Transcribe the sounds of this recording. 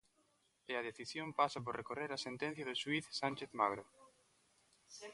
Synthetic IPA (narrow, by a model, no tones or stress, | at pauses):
ɪɐð̞eθisjompasap̬oɾrekoreɾɐsent̪en̟θjɐðʊswiθsant͡ʃeθmaɣɾo